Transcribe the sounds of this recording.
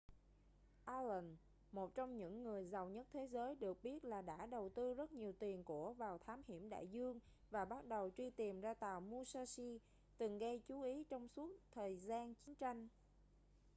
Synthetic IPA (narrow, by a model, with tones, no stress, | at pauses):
ʔaː˧lə˨˩n | mo˨˩t̚t͡ɕɔ˧wŋ͡mɲɨ̰˧˥ŋːɨ˨˩əjza˨˩wɲə˦˥t̚t̪ʰe˨˦zəː˨˦jɗɨ˨˩ək̚ɓi˦˥ət̚laː˨˩ɗa̰ː˧˥ɗə˨˩wt̪ɨ˧zə˦˥t̚ɲi˨˩əwt̪i˨˩ənku˧˩əvaː˨˩wt̪ʰaː˨˦mhḭ˧˩əmɗa̰ː˧˨jzɨ˧əŋ | vaː˨˩ɓa˦˥t̚ɗə˨˩wt͡ɕwi˧t̪i˨˩mzaː˧t̪aː˨˩wmu˧saː˧si˧ | t̪ɨ˨˩ŋɣə˧jt͡ɕu˨˦ʔi˨˦t͡ɕɔ˧wŋ͡msu˦˥ək̚t̪ʰəː˨˩jzaː˧nt͡ɕi˨˦nt͡ɕa˧jŋ̟